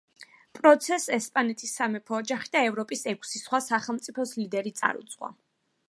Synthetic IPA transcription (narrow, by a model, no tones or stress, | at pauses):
pʼɾɔt̪sʰɛsɛspʼanɛt̪ʰisːamɛpʰɔːd͡ʒaχid̪aɛvɾɔpʼisɛkʷʰsisχwasaχɛlˠmt̪sʼipʰɔslid̪ɛɾit̪sʼa̰ɾṵt̪sʼqʼwa̰